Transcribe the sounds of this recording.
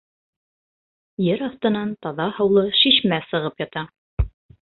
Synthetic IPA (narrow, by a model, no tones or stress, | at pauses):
jɘɾɑθt̪ɤ̆nɑnt̪ɑðɑhɤ̆wlˠɤʃiʃmæsɤ̆ʁɤpjɑt̪ɑ